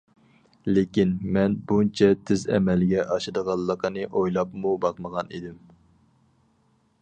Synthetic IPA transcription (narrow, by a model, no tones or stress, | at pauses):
lekʲinmɛnbunt͡ʃʰɛt̪ʰɪzɛ̰mɛlɡʲɛʔɑʃɨd̪əʁɑllˠːəqʰənɨʔojlˠɑpmubɑqməʁɑnid̪ɪm